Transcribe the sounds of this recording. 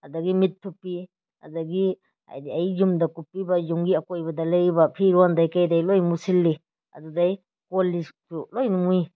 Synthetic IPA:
ɐdɐɡimitʰːupːi | ɐ̰dɐɡi | a̰jdiajzumdɐkupːibɐzuŋɡiɐkojbɐdɐleɾibɐpʰiɾuandajkajdajlojmusilːi | ɐ̰dudaj | kolːitulojnumui

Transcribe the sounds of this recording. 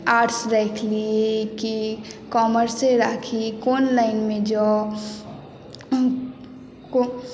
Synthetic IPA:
aːɾʈsɾɛkʰliekikɔːməɾseɾaːkʰikoːnlaɪnmẽd͡ʒo | ko

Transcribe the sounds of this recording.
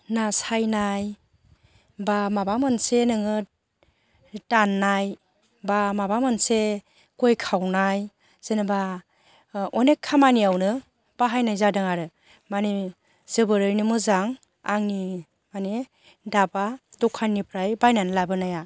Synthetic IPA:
nasajnaj | bamabamɯnsenɯŋɯ | danːaj | bamabamɯnse | kojkʰawnaj | z̥enɯba | ɔnekʰːamaniawnɯ | b̥aɦajnajzadɯŋaɾɯ | mane | z̥ɯbɯɾɯjnɯmɯzaŋ | aŋni | mane | dabadɔkʰanːipʰɾajbajnanlabɯnaja

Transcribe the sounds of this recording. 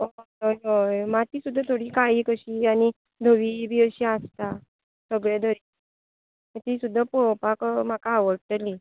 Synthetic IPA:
o | ojojmat̪iːsud̪ʱːat̪ʰoɽiːkaiːkəɕiːani | d̪ʱəʋiːbʱiːəɕiast̪a | səɡɭed̪ʱəɾiː | et̪isud̪ʱːapɔwpakm̤akaːʋəɽʈ̪əli

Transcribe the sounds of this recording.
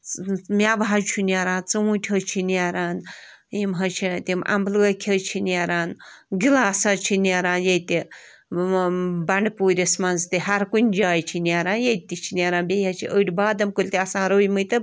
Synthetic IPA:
mʲaʋɦat͡ʃʰunʲaɾãːnt͡sɨwũtʲʰɦət͡ʃʰinʲaɾaːn | imɦɐt͡ʃʰit̪imʔɐ̰mblɡɐkʲʰɐt͡ʃʰinʲaɾaːnɡilaːsɐt͡ʃʰinjaɾaːnjɐjt̪i | bɐɳɖpuːɾʲɐsmɐnzt̪iɦɐɾkunʲd͡ʒaːjt͡ʃʰiniaɾaːnjejt̪it͡ʃʰinʲaɾaːnbʲejɐt͡ʃʰḭʔəʈʲbaːd̪ɐmkulʲt̪ʲiɐsãːɾəːjmɨt̪ɨ

